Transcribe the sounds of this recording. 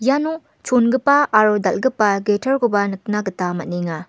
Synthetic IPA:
jano | t͡ʃʰonɡɐpaːɾodɐlɡɐpːaɡetʰɐɾkobɐnɐk̚naɡɐtamɐt̚niŋa

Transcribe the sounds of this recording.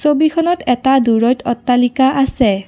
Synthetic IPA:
sobikʰɔnɔtɛtaduɹɔjtʰɔtːalikaʔasɛ

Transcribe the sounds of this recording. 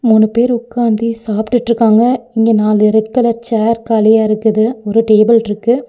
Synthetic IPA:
muːnɯpeːɾʊkːaːnd̪isaːpʈɯʈːɾɯkːaːŋɡɐɪŋɡeːnaːlɪɾɛkːɯlɐɾt͡ʃaːɾkaːlɪjaːɪɾɯkːɯðɯɔɾɯʈeːbɐlɪɾɯkːɯ

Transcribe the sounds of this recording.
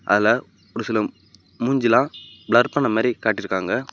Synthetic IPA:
ʔɐ̰ðɪlɐ | ɔɾɯsɪlɐ | muɲd͡ʒɪlãː | bɭɐɾpɐɳːɐmaːd̪ɾikaːʈːɪɾɯkːaːŋɡɐ

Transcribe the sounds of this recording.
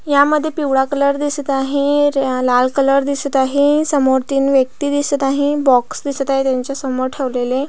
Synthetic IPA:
jaməd̪ʱːjepiwɽakələɾd̪isət̪aɦĩlalkələɾd̪isət̪aɦĩsəmoɾt̪iːnʋjək̚t̪id̪isət̪aɦĩbɔksd̪isət̪aɦet̪jaɲt͡ɕjasəmoɾʈʰeʋlele

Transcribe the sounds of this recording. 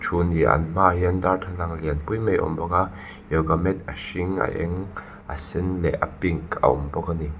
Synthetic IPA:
t͡ʃʰuniʔɐ̰nmaɦiɐndart̪ʰalaŋliənpujmejʔɔ̰mbɔka | jɔwkamɛt̪̚aʃiŋa̰ʔɛŋ | ʔa̰sɛnlɛʔapiŋka̰ʔɔ̰mbɔkani

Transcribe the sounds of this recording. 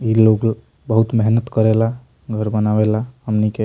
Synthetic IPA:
iloɡ | bəɦut̪meɦnət̪kəɾela | ɡʱəɾbənabelahəmnike

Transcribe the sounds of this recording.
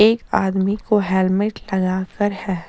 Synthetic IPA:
eːkaːd̪mikoɦɛːlmɪʈlɐɡaːkəɾhɛː

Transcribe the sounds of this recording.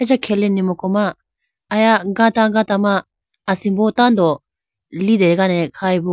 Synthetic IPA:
ad͡ʒakʰelinːimokomaː | jaɡat̪aɡat̪amaː | sĩbot̪ãnd̪o | lid̪eɡanekʰaibo

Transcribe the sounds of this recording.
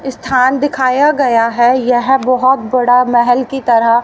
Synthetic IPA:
st̪ʰaːnd̪ɪkʰaːjaɡɐjaɦɛjɛɦbɔɦʊt̪bɐɽamɛɦɛlkit̪ɐɾəɦ

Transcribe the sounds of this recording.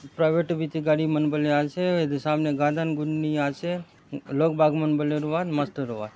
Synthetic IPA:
pɾajʋeʈʋit̪iɡaɽimənbəleaʃeed̪samneɡad̪anɡunːiaʃe | lokbʱaɡmənbəleɾuʋad̪mast̪əɾuʋa̰d̪

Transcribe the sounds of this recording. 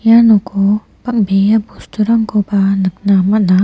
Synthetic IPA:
janokʰo | pak̚bejabust̪ʰuɾamkobanɯk̚namana

